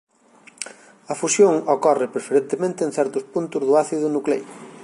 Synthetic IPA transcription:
ɐfusjoŋokɔrɪpɾefeɾẽnt̪emẽnt̪ɪenθɛɾt̪ʊspunt̪ʊzðʊaθiðʊnuklej

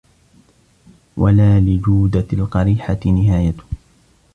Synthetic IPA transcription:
wʔalaːlɪd͡ʒuːd̪alqɑɾiːħat̪ɪnɪɦaːjat̪ʊ̥

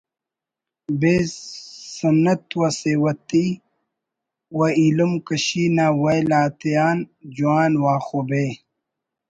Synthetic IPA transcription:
be | sɐnɐt̪wɐsewɐt̪i | wɐilumkɐɕiːnaːwɐjlaːt̪ijaːnd͡ʑuaːnwaːxobeː

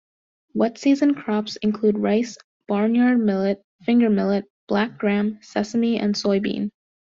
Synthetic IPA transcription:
wɛtsizɨ̃nkʰɹ̥ɑpsɨ̃nkʰl̥ud̚ɹaɪs | b̥ɑɹnjɑɹd̚mɪlˠɨt̚ | fɪ̃ŋɡə˞mɪlˠɨt̚b̥læk̚ɡ̥ɹæ̃msɛsəmiɨ̰̃nsɔɪbḭ̃n

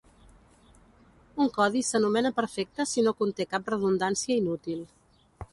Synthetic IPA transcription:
uŋkɔðisənumɛnəpəɾfɛk̚t̪əsinokunt̪ekap̚rəðund̪ansiəinut̪ilˠ

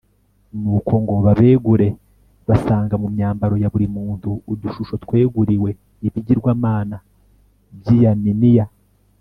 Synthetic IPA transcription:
nuːkʰo̞ŋɡo̞βaβe̞ːɡuɾe̞ | βasaːŋɡamumɲaːmbaɾo̞jaβuɾimuːntuːduʃuʃo̞twe̞ːɡuɾiwe̞ | iβiɟiɾɡwaːmaːna | bjijaminija

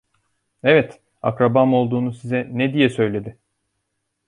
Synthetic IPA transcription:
evɛt̪ | a̰kɾabamo̞lˠd̪uːnusizɛnɛd̪ijɛsø̞jlʲe̞d̪ɪ

